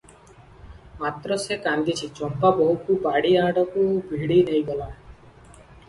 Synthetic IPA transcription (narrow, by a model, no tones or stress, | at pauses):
mat̪ɾɔsekand̪it͡ʃʰit͡ʃɔmpabɔɦukubaɽiaɽɔkubʱiɽinejɡɔla